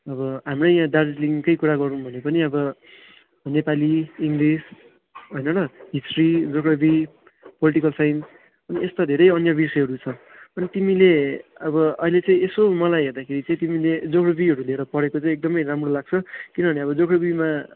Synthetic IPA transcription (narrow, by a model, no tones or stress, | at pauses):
ʌbʌɦamrʌjjãd̪ard͡zliŋkʌjkuɾaɡʌɾũbʱʌnepʌniʌbʌ | nepaliiŋɡris | ɦojnʌnʌɦisʈrid͡zokɾʌbi | poliʈikʌlsajn | ʌniest̪ad̪ʱeɾʌjʌnjʌbisʌɦʌɾut͡sʰʌ | ʌnit̪imileʌbʌʌ̰ɦilet͡sʌ̃ĩesomʌlajɦerd̪akʰeɾit͡sʌĩt̪imiled͡zokɽʌbiɦʌɾuleɾʌpʌɾekot͡saĩek̚d̪ʌmʌjɾamrolaɡ̚t͡sʰʌkinʌbʱʌneʌbʌd͡zokɾʌbima